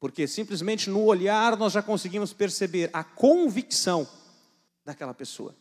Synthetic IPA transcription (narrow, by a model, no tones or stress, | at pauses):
poɾkesĩplɪzmẽnt͡ʃɪnʊoʎaɾnɔzʒakõsɪɡĩmʊspeɾsebeɾɐkõviksɐ̃w̃ | d̪akɛlɐpeso̰ɐ̰